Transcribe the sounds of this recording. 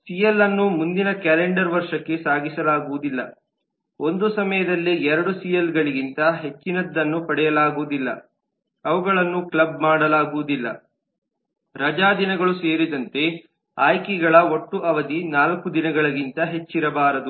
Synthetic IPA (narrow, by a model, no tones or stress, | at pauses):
sijɐlːɐnːumund̪inɐkɛːleɳɖɐɾʋɐɾʂɐkːe̞saːɡisɐlaːɡuʋud̪ilːɐ | o̞nd̪usɐmɐjɐd̪ɐlːiɛɾɐɽusijɐlɡɐɭiɡint̪ɐɦe̞t͡ʃːinɐd̪ːɐnːupɐɽɛjɐlaːɡuʋud̪ilːɐ̰ | ɐʋuɡɐɭɐnːuklɐb̚maːɽɐlaːɡuʋud̪ilːɐ̰ | ɾɐd͡ʒaːd̪inɐɡɐɭuse̞ːɾid̪ɐnt̪e̞ | a̰ːjkɛɡɐɭɐo̞ʈːuʔɐʋɐd̪inaːlɐkud̪inɐɡɐɭɐɡint̪ɐɦe̞t͡ʃːiɾɐbaːɾɐd̪u